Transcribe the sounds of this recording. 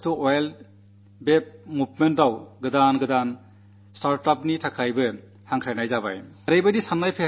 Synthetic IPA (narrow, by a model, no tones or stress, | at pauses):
tuojl | bep̚mupmentdawɡɯdanɡɯdan | staɾtap̚nitʰakʰajbɯ | haŋkʰɾajnajzaba̰j | ɾɯjbajdisanːajpʰe